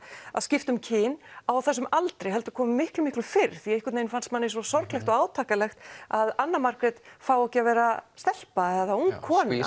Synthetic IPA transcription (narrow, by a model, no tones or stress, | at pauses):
aðscɪft̪ʏmcʰɪːnawθɛs̬ʏmalt̪ɾejɦɛlt̪ʏ̥kʰɔːmʏmɪhklʏmɪhklʏfɪɾθiɛɪhkwʏtnejnfanst̪manːɪs̬ɔsɔɾklɛxt̪ɔɣaːwt̪ʰaːkalɛxt̪aðanːamaɾkɾɛt̪faːwɛhcɪavɛːɾast̪ɛl̥paɛðauŋkʰːɔːn